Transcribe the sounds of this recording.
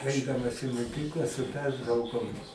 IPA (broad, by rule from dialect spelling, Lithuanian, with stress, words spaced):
ˈɐɪdɐmɐs ɪ moːˈkʲiːklˠɐ sʊ ˈpʲɛrtrɐʊkoːm